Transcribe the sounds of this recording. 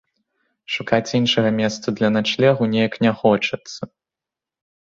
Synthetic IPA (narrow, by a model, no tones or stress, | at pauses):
ʂukat͡sʲinʂɐɣɐmʲɛst̪sɐd̪lʲɐnat͡ʂlʲɛɣunʲejɐknʲaxɔt͡ʂɐt̪sːɐ